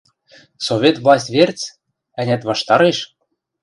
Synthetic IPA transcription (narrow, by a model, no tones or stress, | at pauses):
sovʲet̪vlˠɑsʲtʲvert͡s | æ̆nʲæt̪βɑʃt̪ɑɾeʃ